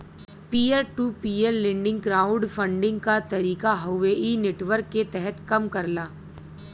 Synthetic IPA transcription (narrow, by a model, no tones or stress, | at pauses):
piːeɾʈuːpiːeɾlɪ̃ɳɖɪ̃ŋɡɡɾaːʊ̃ɖfɐ̃ɳɖɪ̃ŋɡkat̪ɐɾiːkaɦuʋeːʔineːʈʋəɾkːet̪ɛɦɛt̪kɐmkɐɾlaː